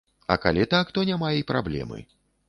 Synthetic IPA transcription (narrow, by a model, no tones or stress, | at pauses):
ɐ̰kalʲɛt̪akt̪ɔnʲamajɛjpɾablʲɛ̰mɨ̰